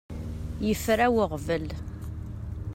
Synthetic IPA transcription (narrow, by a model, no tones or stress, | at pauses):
jəfɾæwəʁvəl